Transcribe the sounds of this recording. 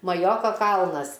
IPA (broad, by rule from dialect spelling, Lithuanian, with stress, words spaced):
mɐˈjoːkoː ˈkɐlˠnɐs